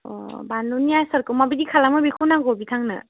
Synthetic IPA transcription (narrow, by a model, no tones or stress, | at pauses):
ɔ̰banunijajsɐɾkɯmabidikʰalamɯbikʰɔnaɡɔbitʰaŋnɯ̰